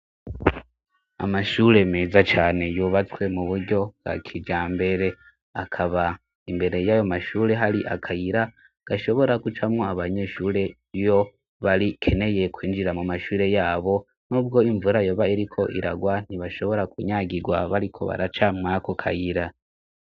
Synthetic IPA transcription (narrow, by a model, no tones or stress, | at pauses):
a̰maʃuɾe̞me̞ːzat͡ʃaːne̞juβat͡swe̞muβuɾɟo̞bɡa̰kʰid͡ʒaːmbe̞ɾe̞ | akʰaβa | imbe̞ɾe̞jaːjo̞maʃuːɾe̞ɦaɾiʔa̰kʰajiɾa | ɡ̥aʃo̞βo̞ɾakut͡ʃamŋo̞aβaɲe̞ʃuːɾe̞ | jo̞ | βaɾikʰe̞ne̞je̞kwiːnd͡ʒiɾamumaʃuːɾe̞jaːβo̞ | nuːbɡo̞iɱvuɾajoːβaiɾikʰo̞ʔḭɾa̰ɡwan̥iβaʃo̞βo̞ɾakuɲaɡiɡwaβaɾikʰo̞̰βa̰ɾat͡ʃamŋakokʰa̰jiɾa